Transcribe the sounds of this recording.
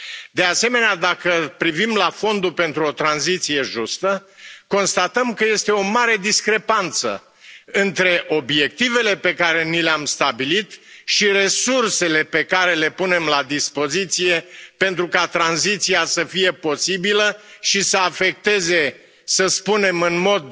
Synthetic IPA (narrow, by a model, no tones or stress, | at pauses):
d̪e̞ase̞me̞nead̪akəpɾivimlafo̞nd̪upe̞nt̪ɾuo̞t̪ɾanzit̪sije̞ʒust̪əko̞nst̪at̪əmkəje̞st̪e̞o̞maɾe̞d̪iskɾe̞pant̪sə̰ | ɨnt̪ɾe̞ʔo̞bje̞k̚t̪ive̞le̞pe̞kaɾe̞nileamst̪abilit̪ʃire̞surse̞le̞pe̞kaɾe̞le̞pune̞mlad̪ispo̞zit̪sije̞pe̞nt̪ɾukat̪ɾanzit̪siasəfije̞po̞sibiləʃisəafe̞k̚t̪e̞ze̞ | səspune̞mɨnmo̞d̪̚